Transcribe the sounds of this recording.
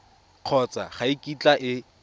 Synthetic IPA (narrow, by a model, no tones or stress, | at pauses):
q͡χʰɔt͡sa̰χaikʼit͡ɬaʔɪ